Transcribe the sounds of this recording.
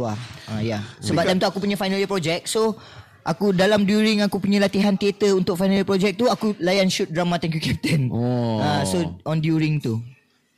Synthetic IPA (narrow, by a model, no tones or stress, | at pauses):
aãjasəbbap̚dɛmt̪uakupuɲãfajnalipɾɔd͡ʒɛk̚so | ʔakudalamdjuɾɪŋakupuɲalat̪iɦant̪iet̪əunt̪ʊk̚fajnalipɾɔd͡ʒɛk̚t̪uakulajanʃut̪̚dɾamãt̪ɛŋkjukɛp̚t̪ənãsoɔndjuɾɪŋt̪u